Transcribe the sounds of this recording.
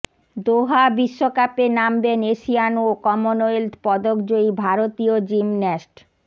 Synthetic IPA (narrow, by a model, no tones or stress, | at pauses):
d̪oɦabiʃːokapenambeneʃianokɔmonojld̪pɔd̪okd͡ʑoibʱaɾot̪iod͡ʑimnesʈ